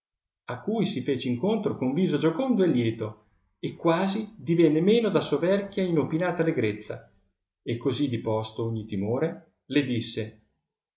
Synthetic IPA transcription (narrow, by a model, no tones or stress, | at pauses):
akːujsifeːt͡ʃeiŋkont̪ɾokoɱviːzod͡ʒokond̪oelːjɛːt̪o | ekːwaːzid̪ivɛnːemeːnod̪asovɛrkjainopinaːt̪alːeɡɾet̪sːa̰ | ekːozid̪ipɔst̪ooɲːit̪imoːɾe | led̪isːe